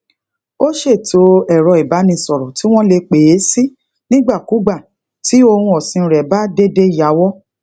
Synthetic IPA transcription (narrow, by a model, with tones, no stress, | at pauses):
o˦ʃe˦˨to˨˧ɛ˨ɾɔ˧i˨ba˨˦nĩ˧sɔ˨ɾɔ˨ti˨˦w̃ɔ̃˦le˧k͡pe˨˦si˦ | nĩ˦ɡ͡ba˦˨ku˨˦ɡ͡ba˦˨ | ti˨˦o˧hũ˧ɔ˨sĩ˧ɾɛ˨ba˦de˦de˦ja˨˦wɔ˦